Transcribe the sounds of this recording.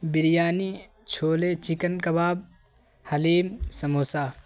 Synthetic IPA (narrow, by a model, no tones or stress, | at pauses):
bɪɾijaːni | t͡ʃʰoːlet͡ʃikənkɐbaːb̚ | hɐliːmsɐmoːsaː